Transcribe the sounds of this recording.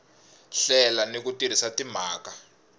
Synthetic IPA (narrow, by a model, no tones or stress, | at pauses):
ɬɛlanek̬utir̤isatim̤aːka